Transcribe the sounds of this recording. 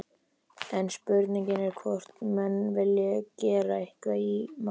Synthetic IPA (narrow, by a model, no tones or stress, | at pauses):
ɛnspʏɾt̪niɲcɪnɛɾ̥kʰvɔr̥t̪mɛnːvɪljɛcɛːɾaɪhkvaima